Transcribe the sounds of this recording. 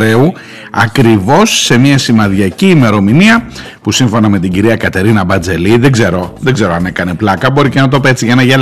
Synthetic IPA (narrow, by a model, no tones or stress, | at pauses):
ɾe̞u | ɐkɾivo̞sːe̞miɐsimɐðʝɐciːme̞ɾo̞miniɐ | pusiɱfo̞nɐme̞t̪̬iɟiɾiɐkɐt̪e̞ɾinɐbɐnd͡ze̞liðeɡze̞ɾo̞ðeɡze̞ɾoɐne̞kɐne̞plɐkɐbo̞ɾice̞nɐt̪̬o̞pe̞t͡siʝɐnɐʝɐ